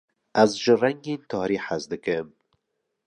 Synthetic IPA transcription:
azʒɨraŋɡent̪ʰɑːɾiːħazd̪ɨkɨm

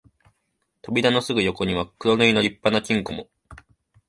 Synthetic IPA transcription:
t̪o̞bʲid̪ano̞sɨɡɯ̟jo̞ko̞ɲ̟iβakɯ̟ɾo̞nɯino̞ɾʲipːanakʲĩŋko̞mo̞

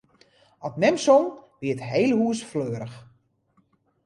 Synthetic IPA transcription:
ɔtnɛmsɔnʋiətɦejlˠhuəsfløːəɾəx

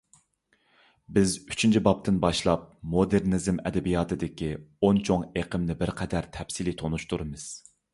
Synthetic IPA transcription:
bɪzy̥t͡ʃʰint͡ʃʰibɑp̚t̪ʰɨnbɑʃlˠɑp̚mod̪eɾnɨzɨmɛ̰d̪ɛbijɑːt̪ʰɨd̪ɪkʲiont͡ʃʰoŋeqʰəmnɪbɪɾqʰɛd̪æɾt̪ʰɛpsilit̪ʰonuʃt̪ʰuɾɨmɨz̥

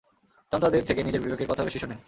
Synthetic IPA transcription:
t̪ant̪ad̪eɾt̪ʰekenid͡ʑeɾbibeɡeɾkɔt̪ʰabeʃiʃonen

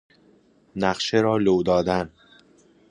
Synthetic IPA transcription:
næɢʃeɾɒːlowd̪ɒːd̪æn

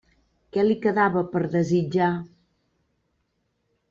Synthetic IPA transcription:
kɛlikəðaβəpəɾðəzid͡ʒa

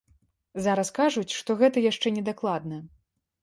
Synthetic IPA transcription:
zaɾɐskaʐut͡sʲʂt̪ɔɣɛt̪ɐjaʂt͡ʂɛnʲɛd̪aklˠad̪nɐ

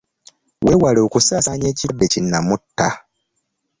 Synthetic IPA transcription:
wewalo̞ːkusaːsaɲe̞ːcibːecinːamutːa

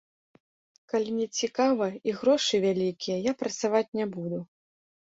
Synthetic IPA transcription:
kalʲinʲɛt͡sʲikavɐiɣɾɔʂɨvʲalʲikʲijɛjapɾɐt̪savat͡sʲnʲɛbud̪u

